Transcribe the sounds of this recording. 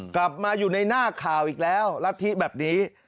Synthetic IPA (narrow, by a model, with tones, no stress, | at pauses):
kla˨˩p̚maː˧juː˨˩na˧jnaː˥˩kʰaː˨˩wʔiː˨˩k̚lɛː˦˥wla˦˥t̪ʰːi˦˥bɛː˨˩p̚niː˦˥